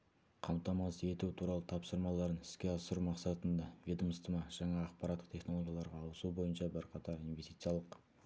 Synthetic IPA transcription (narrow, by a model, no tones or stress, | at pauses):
qʰɑmt̪ɑmɑse̞t̪ut̪ʰuɾɑlˠət̪ʰɑpsəɾmɑlˠɑɾənɪ̥skʲe̞ɑsəɾumɑqsɑt̪ənd̪ɑvid̪əmst̪əmɑʒ̥ɑɴɑːqpɑɾɑt̪ːəqt̪ʲʰe̞χno̞lˠo̞ɡʲjɑlˠɑɾʁɑːwəsubo̞jənʃɑbɪɾqʰɑt̪ɑɾinvest̪it̪sɨjɑlˠəq